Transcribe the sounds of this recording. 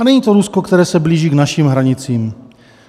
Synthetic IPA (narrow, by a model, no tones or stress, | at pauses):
anɛɲiːt̪oɾusko̞kt̪ɛɾɛːsɛbliːʒiːɡnaʃiːmɦɾaɲɪt͡siːm